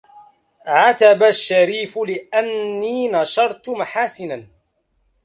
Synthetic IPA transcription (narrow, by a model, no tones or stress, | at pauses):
ʕat̪abaʃːaɾiːfʊlɪʔanːiːnɑʃɑɾˤt̪ʊmaħaːsɪnan